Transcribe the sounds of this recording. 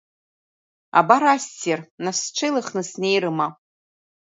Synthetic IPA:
a̰baɾastʰernasʈ͡ʂʷʰejlɨχnɨsnejɾɨma

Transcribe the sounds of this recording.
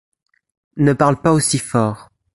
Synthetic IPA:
nəpaʁlpaosifɔːʁ

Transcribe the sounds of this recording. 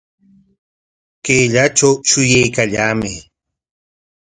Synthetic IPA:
keːʎat͡ʃawʃʊjajkaʎaːmɪ

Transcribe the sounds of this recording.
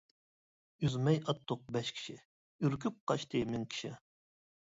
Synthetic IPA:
yzmɛjʔɑt̪ʰːʊq̚bɛʃkʲʰi̥ʃɪ | yɾkʲʰyp̚qʰɑʃt̪ʰɨmɪŋkʲʰi̥ʃɪ̰

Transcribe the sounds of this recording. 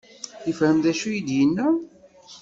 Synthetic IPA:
jəfhəmðæʃujid̪jənːæ

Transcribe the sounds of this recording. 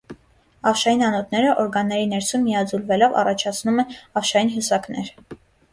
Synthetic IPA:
ɑfʃɑjinɑnɔt̪ʰnɛɾəʔɔɾɡɑnːɛɾinɛɾsummijɑd͡zulvɛlɔvɑ̰rɑt͡ʃʰɑt͡sʰnumɛɑfʃɑjinɦusɑknɛɾ

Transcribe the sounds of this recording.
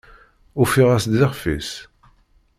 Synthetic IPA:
ʊfiʁæsd̪ɪʁfis

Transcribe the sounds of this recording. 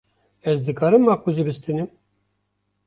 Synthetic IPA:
ɛzd̪ɨkɑːɾɨmːɑːkuzibɨst̪ɨnɨm

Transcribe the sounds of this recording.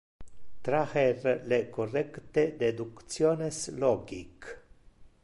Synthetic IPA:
t̪ɾaxerlekorɛkt̪ed̪ed̪ukt̪sjoːnesloɡik

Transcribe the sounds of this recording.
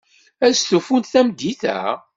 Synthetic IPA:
æsθufunt̪θæmd̪ːiθæ̰

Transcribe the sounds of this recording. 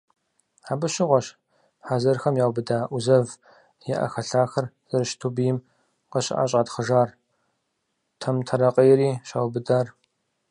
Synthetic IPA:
ħaːbɨɕɪʁʷɔɕ | ħazɐrxɐmjaːwbɨdaːʔʷuzɐv | jɛʔɐ̰xɐɬaːxɐrz̥ɐrɨʃtʰubijɪm | qɐɕɪ̰ʔa̰ːɕ̬ʼadχəʒaːr | tʰɐmtʰɐɾɐqʼɐjɛɾiːɕaːwbɨdaːr

